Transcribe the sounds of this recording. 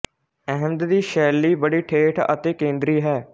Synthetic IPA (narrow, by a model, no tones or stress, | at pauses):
ɛɦə̃md̪d̪iːʃɛːlːiːbəɽiːʈʰeːʈʰə̰t̪eːkẽːnd̪ɾiːɦɛː